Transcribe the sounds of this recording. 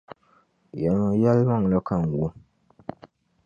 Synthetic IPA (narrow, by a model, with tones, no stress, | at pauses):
jɛ˨lma˨ja˦lma˦˨ŋ˨la˦ka˦˨ŋ˨wo˦